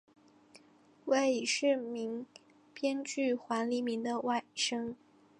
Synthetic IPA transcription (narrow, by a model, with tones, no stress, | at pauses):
we˥˩ɪi˨˩ʂɻ̩˥˩mi˧˥ŋ | pjɛ˥nt͡ɕy˥˩xwa˧˥nli˧˥mi˧˥ŋd̪ə˧wa˥˩ɪʂɤ˥ŋ